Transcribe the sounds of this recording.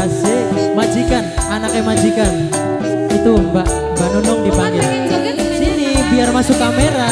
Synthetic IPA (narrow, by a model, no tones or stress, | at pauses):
ase | mad͡ʒikananakɛmad͡ʒikan | it̪umbaʔ | mbaʔnɔnɔŋdipaŋɡɪɾ | sinibiarmasʊkːameɾa